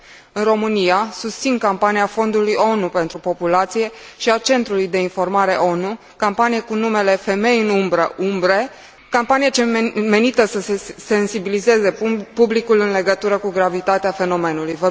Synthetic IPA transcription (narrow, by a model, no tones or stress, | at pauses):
ɨnro̞mɨniasust̪sinkampanijafo̞nd̪ulujo̞nupe̞nt̪ɾupo̞pulat̪sije̞ʃiat͡ʃe̞nt̪ɾulujd̪e̞info̞rmaɾe̞ʔo̞nu | kampanijekunume̞le̞fe̞me̞jɨnumbɾəʔumbɾe | kampanijat͡ʃe̞me̞nit̪əsəse̞se̞nsibilize̞ze̞publikulɨnle̞ɡət̪uɾəkuɡɾavit̪at̪eafe̞no̞me̞nulujvə